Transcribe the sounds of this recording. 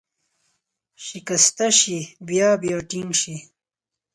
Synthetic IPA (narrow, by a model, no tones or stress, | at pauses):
ʃikɐst̪aʃibjaːbjaːʈiŋɡʃi